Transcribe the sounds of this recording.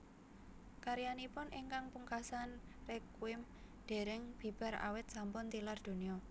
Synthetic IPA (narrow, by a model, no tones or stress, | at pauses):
kaɾijanipʊnʔɪŋkaŋpuŋkasanrekwɪm | d̪̥e̤ɾɪŋb̥i̤b̥a̤ɾa̰wɪt̪̚sampʊnt̪ilard̪̥o̤niɔ